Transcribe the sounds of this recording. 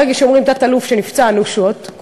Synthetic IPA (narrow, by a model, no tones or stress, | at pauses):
eɡaʃeomʁimt̪at̪alufʃenift͡saːnuʃot̪